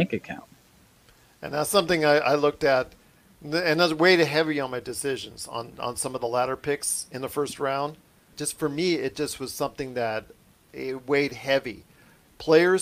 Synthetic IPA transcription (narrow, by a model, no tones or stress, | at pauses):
ẽɪkɨkʰã̰ʊ̃nt | ɨ̰̃nðætsʌ̃mθɪ̃ŋaɪʔa̰ɪlʊk̚tɨt̚ | ɨ̃nðɨtzweɪɾɨɦɛviɨ̃nmaɪdɨsɪʒɨ̃nzñ̩̰nsʌ̃mʌvðəlæɾə˞pʰɪksɨ̃nðəfɜ˞st̚ɹãʊ̃nd̥̚ | ʒ̥ʌstfə˞miɪt̚d̥ʒ̥ʌst̚wʌz̥sʌ̃mθɪ̃ŋðɨɾ | ɪweɪd̚hɛvi | pʰl̥eɪə˞z